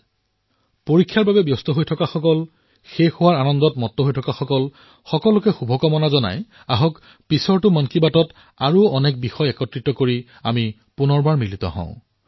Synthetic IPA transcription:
poɹikʰːjaɹbabɛbjɔstɔɦojtʰɔkaxɔkɔl | xexʊwaɹanɔndɔtmɔtːɔɦojtʰɔkaxɔkɔl | xɔkɔlʊkɛxubʱɔkɔmɔnazɔna̰j | aɦɔk | pisɔɹtʊmɔnkibatɔt | aɹuɔnɛk̚bixɔjɛkɔtɹitɔkoɹi | ami | punɔɹbaɹmilitɔ̰ɦɔ̰̃ʊ̃

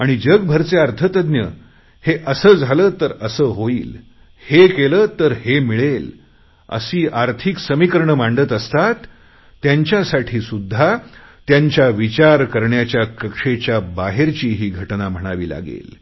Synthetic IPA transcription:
aɽ̃id͡ʑəɡbʱəɾt͡seaɾt̪ʰət̪əd̪njə | heʔəsəːd͡zʱaləːt̪əɾəsəːɦoiːl | hekeləːt̪əɾhemiɭel | ə̰siːʔaɾt̪ʰiksəmikəɾɳəmaɳɖət̪əst̪at̪ː | jaɲt͡ɕjasaʈʰiːsud̪ʱːat̪jaɲt͡ɕjaʋit͡ɕaɾkəɾɳjat͡ɕjakəkʂet͡ɕjabaɦeɾt͡ɕiːɦiːɡʱəʈnam̤əɽ̃aʋiːla̰ɡḛl

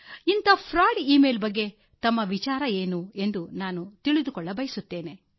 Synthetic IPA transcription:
int̪ɐpʰɾaːɽiiːmeːlbɐɡːe̞ | t̪ɐmːɐʋit͡ʃaːɾɐe̞ːnue̞nd̪unaːnut̪iɭid̪ukɔɭːɐbɐjsut̪ːe̞ːne̞

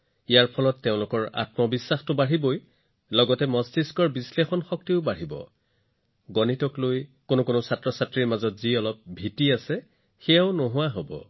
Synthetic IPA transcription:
ijaɹpʰɔlɔtːeʊ̃lʊkɔɹa̰tmɔbisːaxtʊbaɹiboj | lɔɡɔtɛmɔstiskɔɹbislexɔnxɔk̚tiʊbaɹibɔ̰ | ɡɔnitɔklojkonʊkonʊsatɹɔsatɹiɹmazɔtziɔlɔp̚bʱitiasɛ | xɛjaʊnoɦʊwaɦobɔ̰

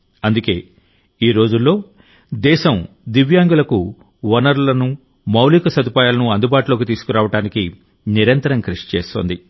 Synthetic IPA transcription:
ɐnd̪uke̞ː | iːɾo̞ːd͡ʒulːo̞ː | d̪ɛːʃɐm | d̪iʋjaːŋɡulɐku | ʋɐnɐɾlɐnu | mɐwliːkɐsɐd̪upaːjaːlɐnuɐnd̪ubaːʈulo̞ːk̬it̪iːsu̥kuɾaːʋɐʈaːniki | niɾɐnt̪ɐɾɐŋkɾuʂi̥t͡ʃḛːst̪o̰ːnd̪i

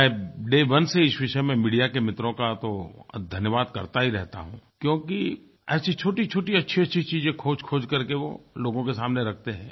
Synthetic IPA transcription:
ɛ̃ːɖeːʋɐnseɪsʋɪʃəmẽmiːɖijakemɪt̪ɾõkat̪od̪ʱɐnjəʋaːd̪kɐɾt̪aɦiɾɛɦt̪a̰ɦṵ̃kjõːki | ɐʃʰit͡ʃʰoːʈit͡ʃʰoːʈiɐtːʃʰiɐtːʃʰit͡ʃiːzẽkʰoːd͡ʒkʰoːd͡ʒkɐɾkeʋo̰loːɡõkesaːmneɾɐk̚ʰt̪eɦɛ̰̃ː

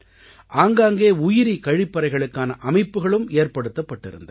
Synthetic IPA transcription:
ʔaːŋɡaːŋɡeːʊjɪɾikɐɻɪpːɐɾɐɪɣɐɭɯkːaːnɐʔɐmɐɪpːɯɣɐɭɯmeːrpɐɽɯt̪ːɐpːɐʈːɪ̰ɾɯ̰nd̪ɐ

